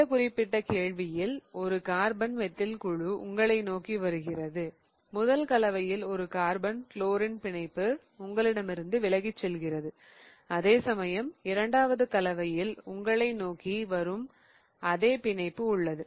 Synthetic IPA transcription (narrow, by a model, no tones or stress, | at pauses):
ɐkʊrɪpːɪʈːɐkeːɻʋɪjɪlɔɾɯkaːɾbɐnʋɛt̪ːɪlkʊɻuʔʊ̰ŋɡɐɭɐɪnoːkiʋɐɾɯɣɪrɐðɯ | mʊðɐlkɐlɐʋɐjɪlɔɾɯkaːɾbɐnkloːɾɪnpɪɳɐɪpːɯ | ʊŋɡɐɭɪɽɐmɪɾɯnd̪ɯʋɪlɐɣɪt͡ʃːɛlɣɪrɐðɯ | ɐðeːsɐmɐjɐmɪɾɐɳɖaːʋɐðɯt̪ɐlɐʋɐjɪlʊŋɡɐɭɐɪnoːkiʋɐɾɯm | ɐðeːpɪɳɐɪpːɯʊɭːɐðɯ